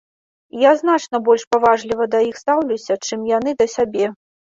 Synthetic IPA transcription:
jaznat͡ʂnɐbɔlʲʂpavaʐlʲivɐd̪ɐjixst̪awlʲusʲɐt͡ʂɨmjan̪ɨd̪ɐsʲabʲɛ

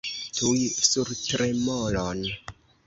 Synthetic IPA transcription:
tʰujsuɾtɾemolon

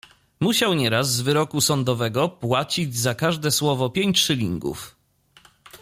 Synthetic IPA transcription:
muɕawɲɛɾazːvɘɾɔkusɔnd̪ɔvɛɡɔpwat͡ɕid͡ʑzakaʐd̪ɛswɔvɔpʲjeɲʲt͡ɕʂɘlʲḭŋɡṵf

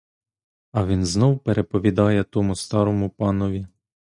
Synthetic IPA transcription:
ɐʋʲinznɔwpeɾʔepɔʋʲid̪ɑjɛt̪ɔmʊst̪ɑɾɔmʊpɑnɔʋʲi

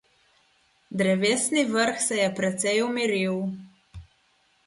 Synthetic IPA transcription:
d̪ɾɛʋeːsnivəɾxsɛjɛpɾɛt̪sɛjumiɾiw

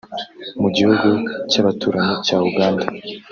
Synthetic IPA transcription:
muɟihuɡucaβatuːɾaɲecauɡaːnda

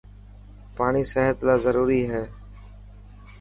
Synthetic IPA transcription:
paːɳiːseːɦət̪laːzəɾuːɾiːɦɛː

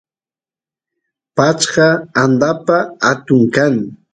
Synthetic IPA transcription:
pat͡ʃɢɑand̪apaat̪ʊŋkaŋ

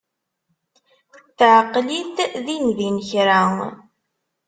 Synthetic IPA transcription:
θʕqːliθðinðinçɾaŋ

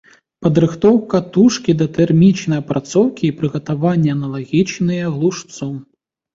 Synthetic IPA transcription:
pɐd̪ɾɨxt̪ɔwkɐt̪uʂkʲid̪ɐt̪ɛrmʲit͡ʃnɐjɐpɾat̪sɔwkʲiːpɾɨɣɐt̪avanʲːɐɐnɐlˠaɣʲit͡ʃnɨjɐɣlˠuʂt̪sɔ

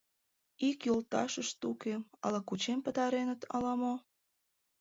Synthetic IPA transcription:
ikjolt̪ɑʃəʃt̪ukeɑ̰lɑkut͡ɕempə̆t̪ɑɾenət̪ʰɑ̰lɑmo

